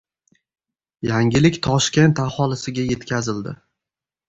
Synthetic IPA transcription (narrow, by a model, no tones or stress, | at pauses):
jaŋʲɪlɪkʲt̪ʰɒʃkʲe̞nt̪ahɒlˠɪsɪɡʲaje̞t̪kʲʰazɪld̪ɪ